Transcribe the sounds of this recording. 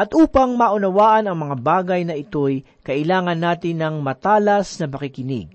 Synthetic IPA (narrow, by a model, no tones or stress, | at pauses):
ʔɐt̪ʔuːpɐŋmaʔʊnɐwaːʔɐnɐŋmɐŋabaːɡɐjnɐʔɪt̪o̞j | kɐʔɪlaːŋɐnːaːt̪ɪnːɐŋmɐt̪aːlɐsnɐpɐkɪkɪnɪ̰ɡ̚